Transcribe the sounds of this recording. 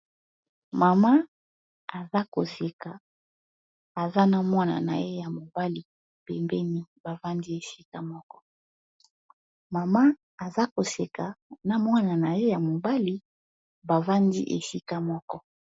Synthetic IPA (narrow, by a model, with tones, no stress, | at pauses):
ma˨ma˦ | a˨za˦ko˨se˨ka˨ | a˨za˦na˨mwa˦na̰˨na̰˨je˦ja˨mo˨ba˦li˨ | pɛ˨mbɛ˦ni˦ba˨va˦ndi˦e˨si˦ka˦mɔ˦kɔ˦ | ma˨ma˦ | a˨za˦ko˨se˨ka˨na˨mwa˦na˨na˨je˦ja˨mo˨ba˦li˦ | ba˨va˦ndḭ˦ʔḛ˨si˦ka˦mɔ˦kɔ˦